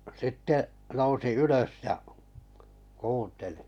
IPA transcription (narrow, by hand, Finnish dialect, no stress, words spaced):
sitːe nousi yløs jɑ kuːnteli̥